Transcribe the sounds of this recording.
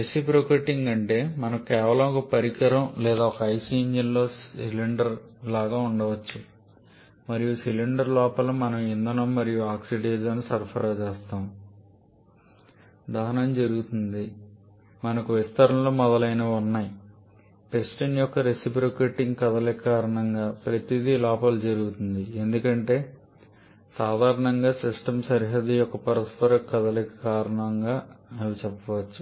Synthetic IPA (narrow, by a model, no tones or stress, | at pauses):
ɾesipɾokeːʈiŋɡɐɳʈe̞ːmɐnɐmkɛːʋɐlɐmɔkɐpɐɾikɐɾɐmlɛːd̪aːɔkɐɐjsiɲd͡ʒɐnlo̞ːsiliɳɖɐɾlaːɡaːuɳɖɐʋɐt͡ʃːu | mɐɾijusiliɳɖɐɾlɔːpɐlumɐnɐmind̪ɐnɐmmɐɾijuaːksiɖeːɾzɐnusɐɾpʰɐɾɐt͡ʃɛːst̪aːm | d̪aːnɐnd͡ʒɐɾuɡut̪und̪i | mɐnɐkuʋist̪ɐɾɐmlo̞ːmɔd̪ɐlɐjnɐunːaːji | pesʈinjɔkːɐɾesipɾokeːʈiŋɡkɐd̪ɐlekɐkaːɾɐɳɐŋɡaːpɾɐt̪id̪ilɔːpɐlud͡ʒɐɾuɡut̪und̪ie̞nd̪ukɐɳʈe̞ː | saːd̪ʱaːɾɐɳɐŋɡaːsisʈɐmsɐɾiɦɐd̪ijɔkːɐpɐɾɐspɐɾɐkɐd̪ɐlɛkɐ̥kaːɾɐɳɐŋɡaːɐʋit͡ʃɛpːɐʋɐt͡ʃːu̥